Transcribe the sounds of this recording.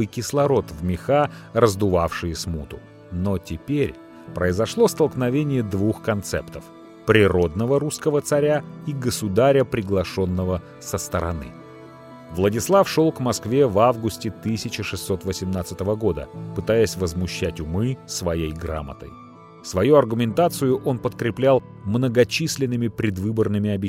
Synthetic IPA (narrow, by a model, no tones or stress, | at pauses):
ɨjkʲɪslˠɐɾo̞t̪vmʲɪxarəzd̪ʊvafʂɨjəsmut̪ʊ | no̞tʲɪpʲeɾʲ | pɾəɪzɐʂlˠo̞st̪əlˠknɐvʲenʲɪjəd̪vuxkɐnt̪sɛ̰pt̪əf | pɾʲɪɾo̞d̪nəvəɾuskəvət̪sɐɾʲaiɡəsʊd̪aɾʲəpɾʲɪɡlˠɐʂo̞nːəvə | səst̪əɾɐ̰nɨ̰ | vlˠədʲɪslˠafʂo̞lˠkmɐskvʲe̞vavɡʊsʲtʲɪt̪ɨsʲɪt͡ɕɪʂɨsːo̞t̪vəsʲɪmnat̪sɨt̪əvəɡo̞d̪ə̰pɨt̪ajəsʲvəzmʊɕːætʲʊmɨsvɐjejɡɾa̰mə̰t̪ə̰j | svɐjuɐrɡʊmʲɪnt̪at̪sɨjʊʔo̞npət̪kɾʲɪplʲalˠ | mnəɡɐt͡ɕisʲlʲɪnːɨmʲɪpɾʲɪd̪vɨbərnɨmʲɪɐbʲɪ